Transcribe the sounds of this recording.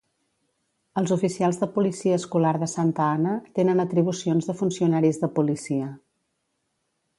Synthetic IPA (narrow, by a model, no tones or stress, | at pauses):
əlˠzufisialˠzðəpulisiəːskulaɾðəsant̪əanət̪enənət̪ɾiβ̞usionzðəfunsiunaɾizðəpulisiə